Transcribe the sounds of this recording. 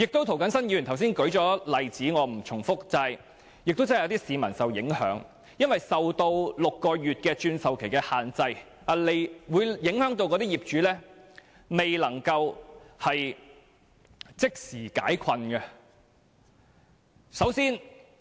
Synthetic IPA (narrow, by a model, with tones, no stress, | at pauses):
jɪ˨k̚t̪o˥wt̪ʰo˨˩wkɐ˨˥nsɐ˥nji˧˨y˨˩nt̪ʰɐ˨˩wsiː˥nkɵ˨˥ɥt͡ʃɔː˨˥lɐ˨jt͡siː˨˥ŋɔː˨˧m̩˨˩t͡sʰʊ˨˩ŋfʊ˥k̚t͡sɐ˧j | jɪ˨k̚t̪wt͡sa˥˨jɐ˧˥t̪i˥siː˨˧mɐ˨˩nsɐ˨wjɪ˨˥ŋhœ̰ː˨˥ŋ | jɐ˥nwɐ˨jsɐ˨wt̪o˧wlʊ˨kːɔː˧jyː˨t̚kɛː˧t͡ʃyː˧nsɐ˨wkʰe˨˩jkɛː˧haː˨nt͡sɐ˧j | aː˨˩le˨jwuː˨˧jjɪ˨˥ŋhœː˨˥ŋt̪o˧wkɔ˨˧t̪iː˥jiː˨p̚t͡ʃyː˨˥lɛː˥ | me˨jlɐ˨˩ŋkɐ˧whɐ˨j | t͡sɪ˥k̚siː˨˩ka̰ː˨˥jkʰɐ˧nɡɐ˧ | sɐ˨˥wsiː˥n